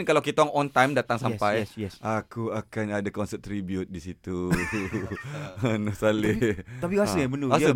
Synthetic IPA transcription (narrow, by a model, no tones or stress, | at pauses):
nkalawkit̪aŋɔnt̪ajmdat̪aŋsamajɛʔakuakanadakɔnsɛt̪ːɾibjut̪̚disit̪u | nʊsalɪt̪apiasəabənua